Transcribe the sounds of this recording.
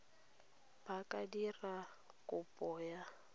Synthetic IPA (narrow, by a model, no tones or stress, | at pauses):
b̥akʼadira | kʼʊpʼɔːja